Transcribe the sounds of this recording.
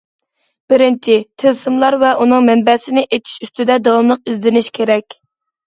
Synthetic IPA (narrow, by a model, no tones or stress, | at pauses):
b̥ɪɾɪnt͡ʃʰɪt̪ʰɪlsɨmlˠɑɾvɛʔunɨŋmɛnbɛsɪnɪʔet̪ʰi̥ʃyst̪ɪd̪ɛd̪ɑwɑmlˠəq̚izlɪnɪʃkʲʰeɾɛkʲ